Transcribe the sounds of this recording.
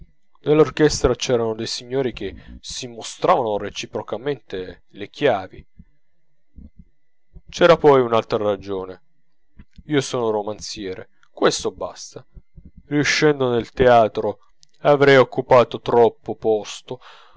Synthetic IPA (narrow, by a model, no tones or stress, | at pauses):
nelːork̟ɛst̪ɾat͡ʃɛːɾanod̪ejsiɲːoːɾik̟esimːost̪ɾaːvanoret͡ʃipɾokament̪e | lek̟ʰjaːvḭ | t͡ʃɛːɾapɔjunalt̪ɾaɾad͡ʒoːne | iːosoːnoɾomant̪sjɛːɾḛ | kwest̪oba̰st̪ariuʃːɛnd̪onelt̪eaːt̪ɾo | avɾɛjokːupaːt̪ot̪ɾɔpːopɔst̪o